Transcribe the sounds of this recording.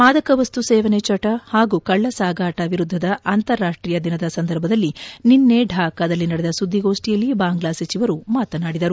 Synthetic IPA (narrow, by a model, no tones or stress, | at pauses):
maːd̪ɐkɐʋɐst̪useːʋɐnet͡ʃɐʈɐhaːɡukɐɭːɐsaːɡaːʈɐʋiɾud̪ʱːɐd̪ɐʔɐnt̪ɐɾːaːʂʈɾijɐd̪inɐd̪ɐsɐnd̪ʱɐɾbʱɐd̪ɐlːininːeɖʱaːkaːd̪ɐlːinɐɽɛd̪ɐsud̪ʱːiɡo̞ːʂʈijɐlːibaːŋɡlaːsɐt͡ʃiʋɐɾumaːt̪ɐnaːɽid̪ɐɾu